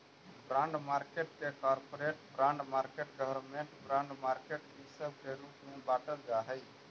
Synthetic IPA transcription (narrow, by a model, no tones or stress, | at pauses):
bɾãːɳɖmaːɾkeʈkekɔːɾpoɾeːʈbɾãɳɖmaːɾkeːʈɡəʋəɾmẽɳʈbɾãːɳɖmaːɾkeʈkisəb̚keɾuːpmẽbaːʈəld͡ʒaɦəi